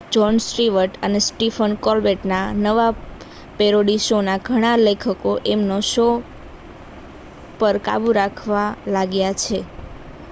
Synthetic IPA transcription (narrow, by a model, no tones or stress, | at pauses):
d͡ʒɔnsɾiʋəɾʈənesʈifʰənkɔlbeʈnanəʋa | peɾoɽiʃonaɡʱəɽ̃alekʰəkoʔemnoʃo | pəɾka̰buɾakʰʋalaɡjat͡ʃʰe